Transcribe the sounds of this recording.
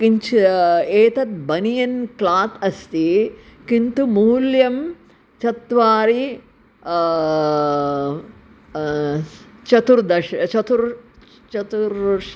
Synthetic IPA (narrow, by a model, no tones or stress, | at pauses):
kiɲt͡ʃeːt̪ɐt̪̚bɐnijɐnklaːt̪ɐst̪ikint̪umuːljɐm | t͡ʃɐt̪ʋaːɾi | t͡ʃɐt̪uɾd̪ɐʃɐt͡ʃɐt̪uɾ | t͡ʃɐt̪uɾ